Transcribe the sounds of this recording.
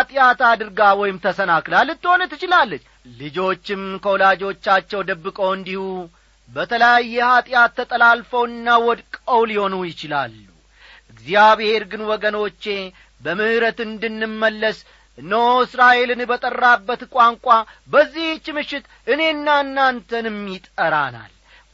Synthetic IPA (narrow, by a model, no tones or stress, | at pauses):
at̪ʼjat̪ad̪ɨɾɡawɔjɪmt̪ʰəsənaklalːɨt̪ːɨho̞nət̪ːɨt͡ʃɪlalːət͡ʃː | lɨd͡ʒo̞t͡ʃːɪmkʰəwɔlad͡ʒo̞t͡ʃːat͡ʃːɛwd̪əbːɨkʼəwɨnd̪ihu | bət̪ʰələjajːɛhat̪ʼjat̪ːət̪ʼəlalfəwɨnːawɔd̪kʼəwliho̞nujɪt͡ʃɪla̰lːu | ʔɨɡzijaβehe̞ɾɡɨnwɔɡəno̞t͡ʃːe̞ | bəmɨhɨɾət̪ɨnd̪ɨnːɨmːəlːəs | nːəoɨsɾaʔe̞lɨnbət̪ʼərːabːət̪kʷʼaŋkʷʼabəzːiht͡ʃːmɨʃːɪt̪ | ʔɨne̞nːanːant̪ʰənɨmːit̪ʼəɾana̰l